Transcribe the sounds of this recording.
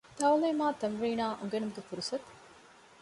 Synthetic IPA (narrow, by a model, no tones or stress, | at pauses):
t̪awleːmaːt̪ɐmʋiːnaːʔuŋɡenumɡefuɾusɐt̪